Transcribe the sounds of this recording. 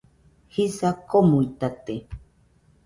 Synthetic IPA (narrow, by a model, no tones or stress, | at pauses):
hisakomuit̪at̪e